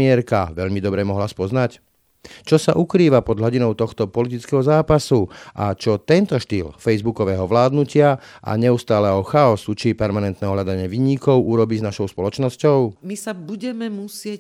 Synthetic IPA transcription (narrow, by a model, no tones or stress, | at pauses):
iɛɾka̰ʋɛʎmid̪ɔbɾɛmɔɦlaspɔznac | t͡ʃɔsaʔukɾiːʋapɔd̪ɦɔɟinɔʊt̪ɔxt̪ɔpɔlit̪it͡skɛːɦɔzaːpasuʔa̰t͡ʃɔt̪ɛnt̪ɔʃt̪iːlfɛjzbukɔʋɛːɦɔʋlaːd̪nucɪaʔa̰ɲɛust̪aːlɛɦɔxaɔsut͡ʃipɛɾmanɛnt̪nɛːɦɔɦʎad̪aɲɪɛʋiːɲikɔʊʔuɾɔbiznaʃɔʊspɔlɔt͡ʃnɔscɔʊmisabuɟɛmɛmusɪɛ